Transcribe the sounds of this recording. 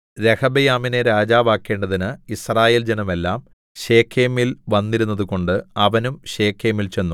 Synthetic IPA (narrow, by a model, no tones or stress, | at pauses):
ɾehɐbɐjaːmineɾaːd͡ʑaːʋaːkːe̞ːɳɖɐðinɨisraːjeːld͡ʑenume̞lːaːm | ɕe̞ːkʰːeːmilʋɐnːiɾunːɐðuko̞ɳɖɨɐʋɐnumɕe̞ːkʰːeːmilt͡ɕe̞nːu